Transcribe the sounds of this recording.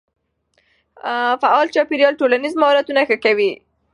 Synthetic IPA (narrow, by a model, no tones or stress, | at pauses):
faʔɑlt͡ʃɑpeɾijɑlʈolanizmahɑɾat̪unaxəkawi